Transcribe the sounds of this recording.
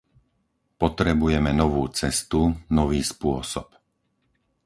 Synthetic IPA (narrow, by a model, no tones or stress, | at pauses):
pɔt̪ɾɛbujɛmɛnɔʋuːt͡sɛst̪unɔʋiːspʊɔsɔp